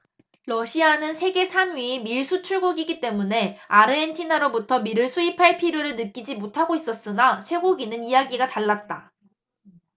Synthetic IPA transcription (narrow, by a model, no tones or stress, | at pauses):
ɾʌɕʰianɯnsʰe̞ɡe̞sʰamiːmiɭsʰut͡ɕʰuɭɡoɡiɡit͈e̞mune̞aɾɯentʰinaɾobutʰʌmiɾɯɭsʰuipʰaɭpʰiɾjoɾɯɭnɯk͈id͡ʑimotʰaɡois͈ʌs͈ɯnasʰwe̞ɡoɡinɯnijaɡiɡataɭːat̚t͈a